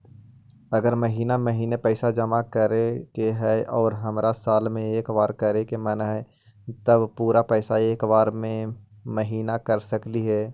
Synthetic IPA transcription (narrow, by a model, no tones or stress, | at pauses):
ɐɡəɾməɦiːnaməɦiːnepɛːsad͡ʒəmakəɾekeɦɛʔɔːɾɦɐmɾasaːlmẽeːkʋaːɾkəɾekemənɦɛ | t̪əbpuːɾapɛːsaeːkʋaːɾmẽ | məɦiːnakəɾsəkliɦɛː